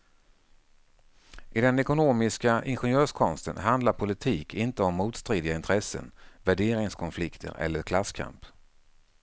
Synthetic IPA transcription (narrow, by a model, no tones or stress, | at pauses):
ʔɪd̪ɛnɛkʊnoːmɪskaʔɪnɧɛnjøːʂkʰɔnst̪ə̰nɦand̪laɾpʰʊlɪt̪ʰiːkʰɪnt̪əɔmːuːt̪st̪ɾeːd̪ɪɡaɪnt̪ʰɾɛsːə̰nvæɖeːɾɪŋskʰɔnflɪkt̪ʰə̰ɾɛ̰lːəɾkʰlasːkʰa̰mp